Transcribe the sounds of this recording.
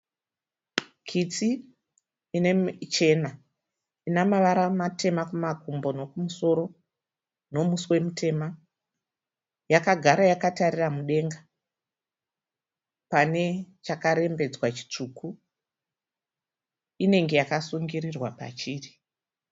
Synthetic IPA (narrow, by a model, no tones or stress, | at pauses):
kʰit͡siː | net͡ʃe̞na | inamaʋaɾamate̞makumakumbo̞no̞kumuso̞ɾo̞ | no̞musiwe̞mutʰe̞ːma | jakaɡʱaɾajakatariramuɗe̞ŋɡa | pane̞t͡ʃakaɾe̞mbe̞d͡zwat͡ʃi̥t͡ʂukʰu | ine̞ŋɡe̞jakasuŋɡirirwapa̰t͡ʃiːri